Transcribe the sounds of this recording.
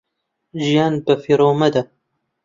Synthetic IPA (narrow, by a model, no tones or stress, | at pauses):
ʒijaːnbɐfiɾoːmɐd̪a